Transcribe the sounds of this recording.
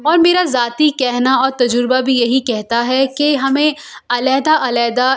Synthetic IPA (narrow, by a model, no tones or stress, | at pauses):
ɔːɾmeːɾazaːt̪ikɛɦnaɔːɾt̪ɐd͡ʒʊɾbabʱijɐɦikɛɦt̪aɦɛkeɦɐmẽɐlɛːd̪aʔɐlɛːd̪a